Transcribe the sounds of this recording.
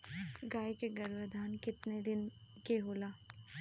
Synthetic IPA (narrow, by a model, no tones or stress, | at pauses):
ɡaːjkeɡɐɾʋəd̪ʱaːnkɪt̪ned̪ɪn | keɦoːlaː